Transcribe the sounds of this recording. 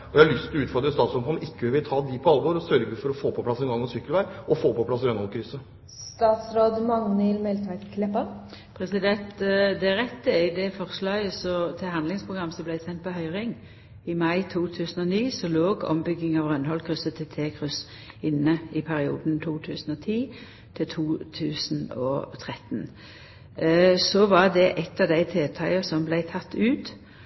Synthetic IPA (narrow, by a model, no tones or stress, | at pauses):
ɔjæhɑlʏst̪ɪlʉːt̪fɔɾd̪ɾəst̪ɑːt̪sɾɔhɔnɪkːəʋɪlt̪ʰɑːd̪ɪpʰɔɑlʋɔɾɔsœɾɡəfɔɾɔfoːpʰɔpʰlɑsɛnɡɑŋːɔsʏkːəlʋæɪʔɔfoːpɔpʰlɑsɾœnhɔlkʰɾʏsə | st̪ɑːt̪sɾoːd̪mɑŋnɪlmɛlt̪ʰɑt̪kʰlɛpə | pʰɾɛsɪd̪ɛnt̪d̪ɛʁɛt̪ːəɪd̪ɛfɔʁslɑːɡəsɔt̪ʰɪlhɑnd̪lɪŋspʰʁʊɡʁɑmːəsɔblæɪsɛnt̪̚pɔɦœʏʁɪŋ | ɪmɑɪt̪ʰuːt̪ʰʉːsn̩ɔniːsɔloːɡɔ̰mbʏɡːɪŋɑʋʁœnhɔlkʰʁʉsət̪ʰɪt̪ʰeːkʰʁʉs | ɪnːəɪpʰæɾɪṵːd̪nt̪ʰuːt̪ʰʉːsn̩ɔt̪ʰiː | t̪ʰɪlt̪ʰuːt̪ʰʉːsn̩ɔ̰t̪ʰʁɛt̪n | sɔʋɑʁd̪ɛʔɛt̪ːɑʋd̪æɪt̪ʰeːt̪ʰɑɪəsɔmblæɪt̪ʰɑt̪ʰːʉːt̪